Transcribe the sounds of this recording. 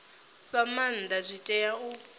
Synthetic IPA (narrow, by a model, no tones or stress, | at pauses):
βamand̪azʷitʼɛjau